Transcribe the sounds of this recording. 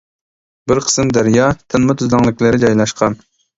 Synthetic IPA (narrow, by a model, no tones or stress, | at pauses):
bɪɾqʰə̥smd̪æɾjɑt̪ʰɪnmɨt̪ʰyzlɑŋlˠɪkʲlɪɾɪd͡ʒɑjlˠɑʃqʰɑn